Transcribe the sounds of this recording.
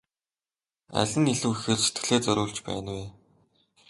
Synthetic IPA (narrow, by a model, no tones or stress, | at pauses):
æ̰ɮʲɘ̆niɮuːxɘ̆rset̪̚ɡɘ̆ɮeːt͡sœɾʲʊːɮt͡ɕpæ̰ːnweː